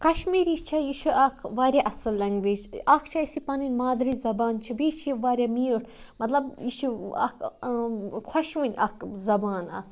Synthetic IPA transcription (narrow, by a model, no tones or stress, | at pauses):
kɐʃmiːɾit͡ʃʰɐjiʃʰuʔɐkʰʋaːɾʲaʔɐsɨlːɐŋɡʋeːd͡ʒɐkʰt͡ʃʰɐisipɐninʲmaːd̪ɾizɐbaːnt͡ʃʰibiːt͡ʃʰiʋaːɾʲamiːɾ | mɐt̪lɐbjiʃʰuɐ̰kʰ | kʰɐʃʋɨnʲɐkzɐbaːna̰